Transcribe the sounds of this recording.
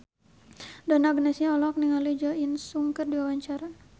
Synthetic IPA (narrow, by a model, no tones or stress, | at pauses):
danaɡənɛsɲaɔlɔk̚niŋalid͡ʒɔinsuŋkərdiwawaɲt͡ʃaɾa